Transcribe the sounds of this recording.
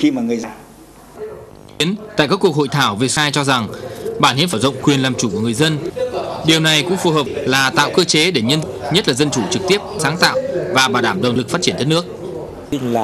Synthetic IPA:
xi˧maː˨˩ŋɨ˨˩əz | i˨˦ənt̪a̰ː˧˨jkaː˦˥kːu˧˩ək̚ho̰˧˨jt̪ʰaː˧˩wve˨˩saː˧jt͡ɕɔ˧za˨˩ŋɓa̰ː˧˩nhḭ˧˥faː˧˩zə̰˧˨ŋ͡mkwi˨˩ənlaː˨˩mt͡ɕu˧˩ku˧˩əŋɨ˨˩əjzə˧nɗi˨˩əwna˨˩jkʊ̰˧˥ŋfu˨˩ɦəː˨˩p̚laː˨˩t̪a̰ː˧˨wkɨ˧t͡ɕe˨˦ɗe˧˩ɲə˧n | ɲə˦˥t̚laː˨˩zə˧nt͡ɕu˧˩t͡ɕɨ˨˩k̚t̪i˦˥əp̚saː˨˦ŋt̪a̰ː˧˨wvaː˨˩ɓaː˨˩wɗaː˧˩mɗə˨˩wŋ͡mlɨ˨˩k̚faː˦˥tt͡ɕi˧˩ənʰ˦˥t̚nɨ˦˥ək̚ː

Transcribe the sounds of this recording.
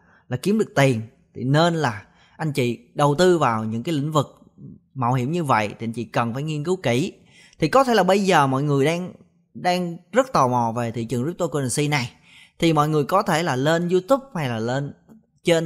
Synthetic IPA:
laː˨˩ki˨˦əmɗɨ˨˩ək̚t̪i˨˩ən | t̪ʰi˨˩ne˧nlaː˨˩ | ʔa˧jŋ̟t͡ɕḭ˧˨ɗə˨˩wt̪ɨ˧vaː˨˩wɲɨ̰˧˥ŋkaː˨˦lḭ̈˧˨ŋ̟vɨ˨˩k̚ | ma̰˧˩whḭ˧˩əmɲɨ˧və̰˧˨jt̪ʰi˨˩ʔa˧jɲt͡ɕḭ˧˨kə˨˩nfaː˧˩jŋi˧nkɨ˨˦wki˧˩ | t̪ʰi˨˩kɔ˨˦t̪ʰe˧˩laː˨˩ɓə˧jzəː˨˩mɔ̰˧˨jŋɨ˨˩əjɗaː˧ŋ | ɗaː˧ŋzə˦˥t̚t̪ɔ˨˩mɔ̰˧˨ve˨˩t̪ʰḭ˧˨t͡ɕɨ˨˩ŋzi˦˥p̚t̪o˧ko˧na˨˩nsi˧na˨˩j | t̪ʰi˨˩mɔ̰˧˨jŋɨ˨˩əjkɔ˨˦t̪ʰe˧˩laː˨˩le˧nzu˧t̪u˦˥p̚ha˧jlaː˨˩le˧n | t͡ɕe˧n

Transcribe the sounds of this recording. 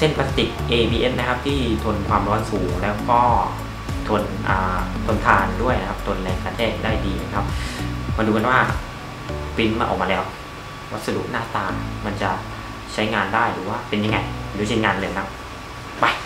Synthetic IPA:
se˥˩npaː˦˥t̪i˨˩k̚ʔeː˧biː˧ʔe˦˥nna˦˥kʰa˦˥p̚t̪ʰiː˥˩t̪ʰo˧nkʰwaː˧mɾɔː˦˥nsuː˩˦ŋlɛː˦˥wkɔː˥˩ | t̪ʰo˧nʔaː˨˩t̪ʰo˧nt̪ʰaː˧ndu˥˩əjna˦˥kʰa˦˥p̚t̪ʰo˧nlɛː˧ŋkaː˧nt̪ʰeː˥˩˨daː˥˩jdiː˧na˦˥kʰa˦˥p̚ma˧nduː˧ka˧nwaː˥˩ | pi˦˥nmaː˧ʔɔ̰˨˩k̚maː˧lɛː˦˥w | wa˦˥t̪̚sa˧dṵ˨˩ʔnaː˥˩t̪aː˧ma˧nt͡ɕa˨˩ʔ | t͡ɕʰa˦˥jŋaː˧ndaː˥˩jɾɯː˩˦waː˥˩pe˧nja˧ŋːa˧ja˧˩duː˧˩t͡ɕʰi˧nŋaː˧nlɤː˧jna˦˥p | pa˧˩j

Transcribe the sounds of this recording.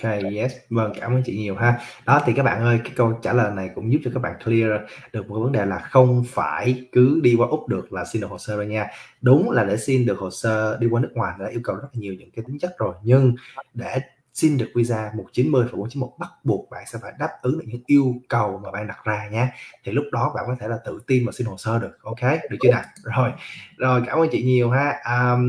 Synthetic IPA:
kjɛ˦˥svə˧ŋkaː˧˩mʔəː˧˦nt͡ɕḭ˧˨ɲi˨˩əwɦaː˨˦ɗɔ˨˦t̪ʰi˨kaː˦˥k̚ɓa̰ː˧˨nʔəː˧jkaː˨˦jkə˧wt͡ɕa̰ː˧˩ləː˨˩jna˨˩jkʊ̰˧˥ŋ͡mzu˦˥p̚t͡ɕɔ˧kaː˦˥ɓa̰ː˧˨kli˧əzɗɨ˨˩k̚m˨˩kːa˨˦və˨˦nɗe˨˩laː˨˩xə˧wŋ͡mfaː˧˩jkɨ˨˦ɗi˧kwaː˧ʔʊ˦˥p̚ɗɨ˨˩ək̚laː˨˩si˧nɗɨ˨˩kho˨˩səː˧ɓa˧ɲaː˧ɗʊ˨˦ŋ͡mlaː˨˩ɗe˧˩si˧nɗɨ˨˩k̚ho˨˩səː˧ɗi˧kwaː˧nɨ˦˥k̚ŋwaː˨˩jn˨˩ɗaː˧ʔi˧əwkə˨˩wzə˦˥t̚laː˨˩ɲi˨˩əwɲɨ̰˧˥ŋkaː˨˦jt̪ï˨˦ŋt͡ɕə˦˥t̚zo˨˩jɲɨ˧ŋɗe˧˩ | si˧nɗɨ˨˩ək̚wi˧zaː˧mo˨˩t̚t͡ɕi˨˦nmɨ˧jfaː˧˩ku˧˥˦t͡ɕi˨˦mo˨˩t̚ɓa˦˥t̚ɓu˨˩ək̚ɓa̰ː˧˨nsɛ˧˥faː˧˩jɗaː˦˥p̚ʔɨ˨˦ŋɗɨ̰˨˩k̚ɲɨ̰˧˥˦ŋʔi˧əwkə˨˩wmaː˨˩ɓa̰ː˧˨ɗa˨˩k̚zaː˧ɲaː˧t̪ʰi˨˩lʊ˦˥k͡p̚ɗɔ˨˦ɓa̰ː˧˨nkɔ˨˦t̪ʰe˧˩laː˨˩t̪ɨ̰˧˨t̪i˧nmaː˨˩si˧nho˨˩səː˧ɗɨ˨˩ək̚ʔo˧wke˨˦ɗɨ˧˨˩t͡ɕi˧na˨˩zo˨˩jzo˨˩jkaː˧˩məː˧nt͡ɕḭ˧˨ɲi˨˩əwɦaː˧˥ʔəː˨˩

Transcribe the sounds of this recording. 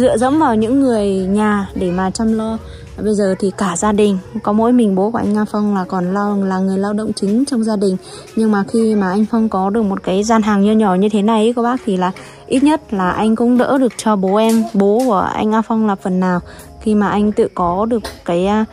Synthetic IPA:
zɨ̰˧˨əzə̰˧˥mvaː˨˩wɲɨ̰˧˥ŋːɨ˨˩əjɲaː˨˩ɗe˧˩maː˨˩t͡ɕa˧mlɔ˧ | ɓə˧jzəː˨˩t̪ʰi˨˩kaː˧˩zaː˧ɗï˨˩ŋ̟kɔ˨˦mo̰˧˥jmï˨˩ŋɓo˨˦ku˧˩ʔa̰˧jŋ̟ʔaː˧fɔ˧wŋ͡mlaː˨˩kɔ˨˩nlaː˧laː˨˩ŋɨ˨˩əjlaː˧wɗə̰˧˨wŋ͡mt͡ɕï˨˦ŋ̟t͡ɕɔ˧wŋ͡mzaː˧ɗï˨˩ŋ̟ | ɲɨ˧ŋmaː˨˩xi˧maː˨˩ʔa˧jŋ̟fɔ˧wŋ͡mkɔ˨˦ɗɨ˨˩ək̚mo˨˩t̚kaː˨˦jzaː˧nɦaː˨˩ŋɲɨ˧ɲɔ˧˩ɲɨ˧t̪ʰe˨˦na˨˩jʔkɔ˨˦ɓaː˦˥k̚t̪ʰi˨˩laː˨˩ | ʔi˦˥t̚ɲə˦˥t̚laː˨˩ʔa˧jŋ̟kʊ̰˧˥ŋ͡mɗə̰ː˧˥ɗɨ˨˩ək̚t͡ɕɔ˧ɓo˨˦ʔɛ˧mɓo˨˦ku˧˩əʔa̰˧jŋ̟ʔaː˧fə˧wŋ͡mlaː˨˩pfə˨˩nːaː˨˩w | xi˧maː˨˩ʔa˧jŋ̟t̪ɨ̰˧˨kɔ˨˦ɗɨ˨˩ək̚ːaː˨˦j

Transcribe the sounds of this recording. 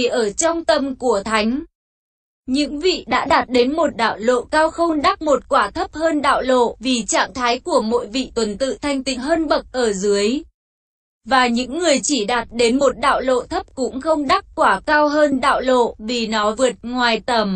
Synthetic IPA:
ʔəː˧˩t͡ɕɔ˧wŋ͡mt̪ə˨˧˩mku˧˩ət̪ʰa˨˦jŋ̟ | ɲɨ̰˧˥ŋvḭ˧˨ɗa̰ː˧˥ɗaː˨˩t̚ɗe˨˦nmo˨˩t̚ɗa̰ː˧˨wlo̰˧˨kaː˧wxə˧wŋ͡mɗa˦˥k̚mo˨˩t̚kwaː˧˩t̪ʰə˦˥p̚həː˧nɗa̰ː˧˨wlo̰˧˨vi˨˩t͡ɕa̰ː˧˨ŋt̪ʰaː˨˦jku˧˩əmo̰˧˥jvḭ˧˨t̪wə˨˩nt̪ɨ̰˧˨t̪ʰa˧jŋ̟t̪ḭ̈˧˨ŋɦəː˧nɓə˨˩k̚ʔəː˧˩zɨ˨˦əj | vaː˨˩ɲɨ̰˧˥ŋːɨ˨˩əjt͡ɕi˧˩ɗaː˨˩t̚ɗe˨˦nmo˨˩t̚ɗa̰ː˧˨wlo̰˧˨t̪ʰə˦˥p̚kʊ̰˧˥ŋ͡mxə˧wŋ͡mɗa˦˥kkwaː˧˩kaː˧wɦəː˧nɗa̰ː˧˨wlo̰˧˨vi˨˩nɔ˨˦vɨ˨˩ət̚ŋwaː˨˩jt̪ə˨˩m

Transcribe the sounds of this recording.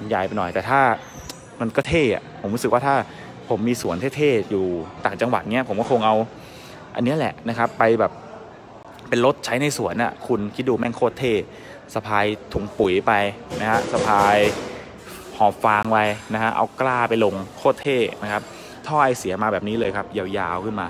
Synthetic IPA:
ja˨˩jpa˧jnɔ˨˩jt̪ɛː˨˩t̪ʰaː˥˩ | ma˧nkɔː˥˩t̪ʰeː˥˩ʔa̰˨˩pʰo˩˦mɾu˦˥skwaː˥˩aː˥˩ | pʰo˩˦mːiː˧su˨˩˦ənt̪ʰeː˥˩t̪ʰeː˥˩juː˨˩t̪aː˨˩ŋt͡ɕa˧ŋwa˨˩t̪̚ni˦˥ɐpʰo˩˦mkɔ˥˩kʰːŋʔa˧w | ʔa˧nːi˦˥˨lɛ̰˨˩ʔna˦˥kʰa˦˥pːa˧jbɛː˨˩p̚ | pe˧nlo˦˥t̪̚t͡ɕʰa˦˥jna˧jsu˨˩˦ənʔa̰˨˩kʰu˧nkʰi˦˥t̪̚duː˧mɛ˥˩ŋkʰoː˥˩t̪ʰːeː˥˩ | sa˧pʰaː˧jt̪ʰu˨˩ŋpu˨˩˦jpa˧jna˦˥kʰa˦˥sa˧pʰaː˧j | hɔː˨˩p̚faː˧ŋwa˧jna˦˥kʰa˦˥ʔa̰˧wklaː˥˩pa˧jlo˧ŋkʰoː˥˩t̪ʰːeː˥˩na˦˥kʰa˦˥p̚ | t̪ʰɔː˥˩ʔa˧jsi˨˦ɐmaː˧bɛː˨˩p̚niː˦˥lɤː˧jkʰa˦˥p̚jaː˧wjaː˧wkʰɯ˥˩nmaː˧

